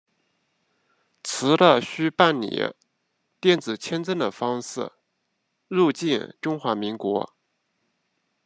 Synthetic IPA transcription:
t͡sʰɹ̩˧˥d̪ə˧ɕy˥pa˥˩nnḭ˨˩˦ | t̪jɛ˥˩nt͡sɹ̩˨˩t͡ɕʰjɛ˥nt͡sə˥nd̪ə˩fɑ˥ŋʂɻ̩˥˩ | ɻu˥˧t͡ɕi˥˧nʈ͡ʂʊ˥ŋxwa˧˥mi˧˥ŋkwɔ̰˧˥

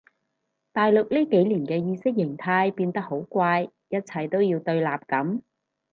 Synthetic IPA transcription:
t̪aː˨jlʊ˨k̚liː˥ke˨˥jliː˨˩nkɛː˧jiː˧sɪ˥k̚jɪ˨˩ŋt̪ʰaː˧jpiː˧nt̪ɐ˥k̚ho˨˥wkʷaː˧j | jɐ˥t̚t͡sʰɐ˨˧jt̪o˥wjiː˧wt̪ɵ˧ɥlaː˨p̚kɐ˨˥m

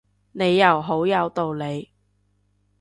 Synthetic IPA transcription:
ne˨˧jːɐ˨˩wɦo˨˥wjɐ˨˧wt̪o˨wle˨˧j

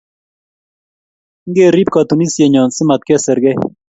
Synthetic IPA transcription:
ŋ˦ɡe˦ɾi˦p̚kat̪u˨ni˦sje˨ɲɔ˨nsi˦ma˨t̪̚ke˦sɛ˨ɾɡɛ˦j

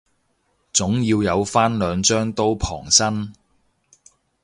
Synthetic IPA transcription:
t͡sʊ˨˥ŋjiː˧wjɐ˨˧wfaː˥nlœː˨˧ŋt͡ʃœː˥ŋt̪o˥wpʰɔ̰ː˨˩ŋsɐ˥n

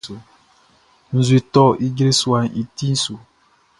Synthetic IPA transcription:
o˨ | n̩˨zu˨e˨tɔ˦ʔi˦ɡɾe˦swa˨ni˨ti˦n̩˦su˨

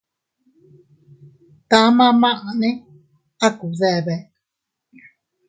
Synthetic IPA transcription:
t̪ã˦mã˦˧mã˦ʔã˨nẽ˦ | a˦ku˨ðe˧˨βe˨

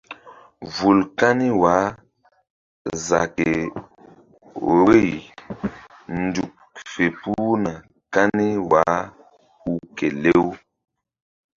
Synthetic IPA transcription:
vu˨lka˦ni˦wa˨˦ | za̰˨ke˨ | ɾo˦˨j | n̩˦du˨k̚ | fe˨pu˦na˨ | ka˦ni˦wa˨˦ | u˦ke˨le˦w

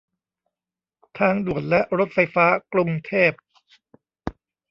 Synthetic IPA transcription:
t̪ʰaː˧ŋdu˨˩ən̚lɛ˦˥ʔɾo˦˥t̪̚fa˧jfaː˦˥kɾu˧ŋt̪ʰeː˥˩p̚

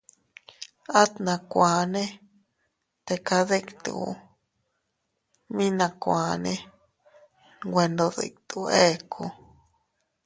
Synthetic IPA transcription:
a˦t̪nã˧kʷa˨nẽ˦ | t̪e˧ka˧ðe˦kt̪ṵ˨˦ | mĩ˦nã˧kʷã˨nẽ˦ | ɡʷwe˧nd̪o˧ðḛ˧˨k̚t̪u˧˨e˦˨kʰu˧

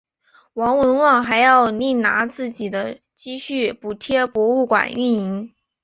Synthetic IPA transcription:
wɑ˧˥ŋwə˧˥nwɑ˥˩ŋxa˧˥ɪjɑ˥˧ʊni˥˩ŋna˧˥t͡sɹ̩˥˩t͡ɕi˨˩d̪ə˦ | t͡ɕi˥˧ɕy˥˩pu˨˩t̪ʰjɛ˥˩pwɔ˧˥u˥˩kwa̰˨˩ny˥˩ni˧˥ŋ

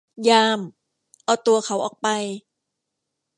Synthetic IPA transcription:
jaː˧m | ʔa˧˩wt̪u˧ɐkʰa˩˦wʔɔː˨˩k̚pa˧j

